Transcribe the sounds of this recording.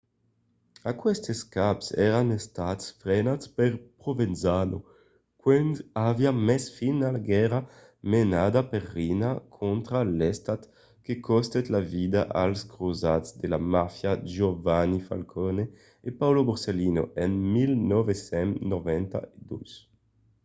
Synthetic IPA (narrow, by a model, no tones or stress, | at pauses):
akwɛst̪eskapsɛɾanest̪at̪sfɾenatspeɾpɾovenzano | kwɛnaviamɛsfinalaɡɛɾa | menad̪aperːinakʰont̪ɾalest̪at̪ | kekɔst̪et̪lavid̪aʔalskɾozat̪zd̪elamafjad͡ʒovanifa̰lkʰone | epawloboɾselino̰ʔenmilnovesɛnnovɛnt̪a̰ed̪us